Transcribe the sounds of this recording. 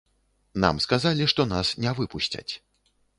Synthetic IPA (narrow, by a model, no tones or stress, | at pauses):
na̰mskazalʲiʂt̪ɔnasnʲɛvɨpuɕʲt͡sʲɐ̰t͡sʲ